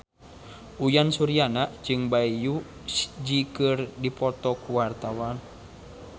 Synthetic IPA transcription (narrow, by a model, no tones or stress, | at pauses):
ʔujansuɾianaʔd͡ʒɨŋbaiju̥ | d͡ʒikɨrdipɔt̪ɔkuwart̪awan